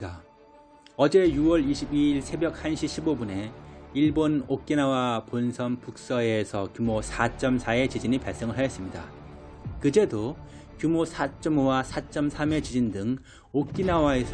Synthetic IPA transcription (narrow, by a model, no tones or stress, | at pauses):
a | ʌd͡ʑe̞juwʌɭiɕʰibiiɭsʰe̞bjʌk̚hanɕʰiɕʰibobune̞iɭbonok͈̚inawaponsʰʌmpuk̚s͈ʌesʰʌkjumosʰat͡ɕ͈ʌmsʰae̞t͡ɕid͡ʑinipaɭks͈eŋɯɭɦajʌs͈ɯmɲida̰ | kɯd͡ʑe̞do | kjumosʰat͡ɕ͈ʌmwasʰat͡ɕ͈ʌmsʰame̞t͡ɕid͡ʑindɯŋ | ok̚k͈inawaes